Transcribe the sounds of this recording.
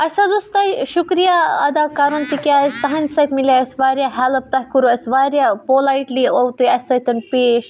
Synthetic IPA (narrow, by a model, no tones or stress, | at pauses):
ɐsazust̪ɐiʃukɾijaɐd̪aːkaɾunt̪ikʲjaɐsʲt̪ɐɦɐ̃nsɐt̪ʲmiljaɐsʲʋaːɾjaɦɛləp̚t̪ɐɦkuɾuɐsʋaːɾjapoːlaiʈliowt̪uɐsɐt̪ɐnpeːʃ